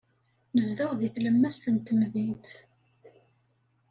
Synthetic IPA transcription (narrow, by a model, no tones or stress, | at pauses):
məzðæwðiθləmːæst̪ənt̪əmðint̪